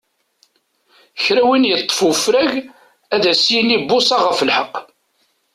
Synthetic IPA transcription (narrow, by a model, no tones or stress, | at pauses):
çɾæwinjət̪ˤːə̥fəfɾæʝ | æðæsjinibːʊsɑʁəfəlħəqː